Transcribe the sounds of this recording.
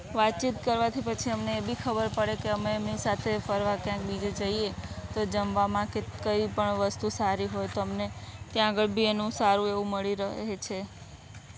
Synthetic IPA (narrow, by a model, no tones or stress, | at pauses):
ʋat̪̚t͡ʃit̪̚kəɾʋat̪ʰipət͡ʃʰiəmneːbikʰəbəɾpəɽekeəmeːmnisat̪ʰefəɾʋakjãk̚bid͡ʒed͡ʒəiet̪od͡ʒəmʋamãkekəipəɳʋəst̪usaɾiɦojt̪oəmnet̪jãːɡəɭbʱienũsaɾũeʋũməɭiɾəɦet͡ʃʰe